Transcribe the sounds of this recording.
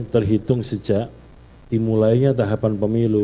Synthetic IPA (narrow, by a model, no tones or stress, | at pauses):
t̪ərɦit̪ʊŋsəd͡ʒaʔ | d̥imulajɲat̪̬aɦapanpəmilu